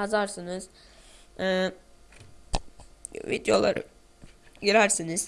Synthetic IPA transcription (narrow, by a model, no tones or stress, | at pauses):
azaɾsɯnɯz̥ː | vḭd̪jo̞lˠa̰ɾɯ̰ | ɟiɾæɾsiniz̥